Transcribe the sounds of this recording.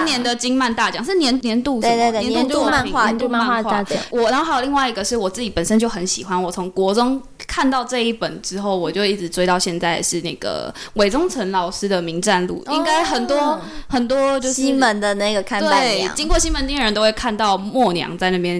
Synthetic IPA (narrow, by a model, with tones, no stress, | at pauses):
njɛ˧˦nd̪ə˨t͡ɕi˥ŋma˥˧nt̪a˥˩t͡ɕjɑ˨˩ŋʂ̬ɻ̩˥˩njɛ˧˦nnjɛ˧˦nt̪u˥˧e˥˧˩e˥˧˨nt̪u˥˧nt̪u˥a˧˥˧n˧wa˥˧nt̪u˥˧ã˥˧wa˥˩xwa˥a˧˥˩t͡ɕwɔ˨˩˨xo˥a˥jo˨˩li˥˧ŋwa˥˩ɪi˧˥ɡə˨˩ʂɻ̩˥˩wɔ˨˩t͡s̩˥˩t͡ɕi˨˩pə˨˩nʂə˥nt͡ɕjo˥˩ʊxə˧˦nɕi˨˩xwa˦nwɔ˨˩t͡sʰʊ˧˦ŋkwɔ˧˥ʈ͡ʂʊ˥ŋ | kʰa˥˧nt̪ɑ˥˧ʊʈ͡ʂɤ˥˧i˥˩pə˨˩nʈ͡ʂɻ̩˥xo˥˩ʊwɔ˨˩t͡ɕjo˥˧ʊi˥˩ʈ͡ʂɻ̩˨˩t͡swe˥ɪt̪ɑ˥˧ʊɕjɛ˥˧nt͡sa˥˩ɪʂɻ̩˥˩na̰˥˩ɪɡ̥ə̰˩we˨˩ɪʈ͡ʂʊ˥ŋt͡sʰə˧˦˥nlɑ˨˩ʊʂɻ̩˥d̪ə˨mi˧˦˥ŋʈ͡ʂa˥˧nlṵ˥˨˩i˦˥ŋka˥ɪxə˨˩nt̪wɔ˥xə˨˩nt̪wɔ˦˥t͡ɕjo˥˧ʊʂɕi˥nmə˧˦nd̪ə˨na˥˩ɪɡə˩kʰa˥t̪wea̰˥˨˩t͡ɕi˥ŋkwɔ˥˩ɕi˥nmə˧˦nt̪i˥ɻə˧˦nt̪o˥ʊwe˥˩ɪkʰa˥˧nt̪ɑ˥˨˩ʊmwɔ˥˩njɑ̰˧˦ŋt͡sa˥˧ɪna˥˩bjɛ˧˦n